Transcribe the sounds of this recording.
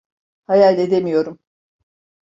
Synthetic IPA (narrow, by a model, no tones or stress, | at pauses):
hajalʲed̪e̞mijo̞ɾum